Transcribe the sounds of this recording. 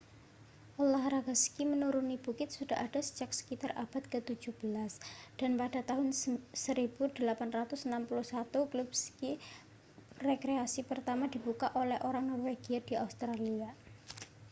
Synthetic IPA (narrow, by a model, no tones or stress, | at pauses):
ʔulahraɡaskimənuɾunib̥ukɪt̪̚sud̥a̤ɦad̥a̤sə̥t͡ʃak̚sə̥kit̪arʔa̰b̥a̤t̪̚kət̪u̥d͡ʒ̥uhb̥əlasd̥anpad̥a̤t̪aɦʊnsəɾib̥udəlapanrat̪ʊsənampuluhsat̪uklubski | rekɾeasipərt̪amadi̤bukaʔolɛhʔoɾanɔrweɡ̥iadi̤aust̪ɾalia